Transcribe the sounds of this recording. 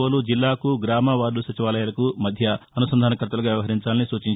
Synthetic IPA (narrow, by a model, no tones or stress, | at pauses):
ɐlud͡ʒilːaːkuɡɾaːmɐʋaːɾlusɐt͡ʃiʋaːlɐjalɐkumɐd̪ʱjɐɐnusɐnd̪ʱaːnɐkɾɐt̪ɐlɐɡːʋjɐʋɐɦɐɾiɲt͡ʃaːlnisuːt͡ʃiɲ